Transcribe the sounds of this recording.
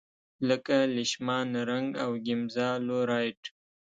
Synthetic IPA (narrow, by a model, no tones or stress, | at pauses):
ləkalɪʃmɑnaɾaŋɡawɡɪmzɑloɾɑjʈ